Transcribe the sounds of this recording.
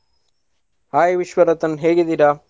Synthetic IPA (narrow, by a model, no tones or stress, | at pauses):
aːjiʋiʃʋɐɾɐt̪ɐnɦeːɡid̪iɾa